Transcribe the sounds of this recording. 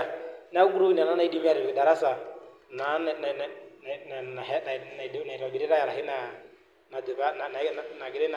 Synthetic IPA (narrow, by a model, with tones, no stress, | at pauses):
na˦ɡu˦ɾu˦i˦˨na˨na˦na˦i˦di˦mi˦a˦ɾɛ˨ɛ˨da˨ɾa˦sa˨ | na˨˦n˨n˨n˨a˨ɛ˦n˨na˨na˨i˨ɾa˨bi˦ɾɛ˦ɾa˦ja˨ɾa˨ɦɪ˦na˨ | na˨dɛ˨βa˦na˨na˨na˨ɡɪ˨ɾɛ˦n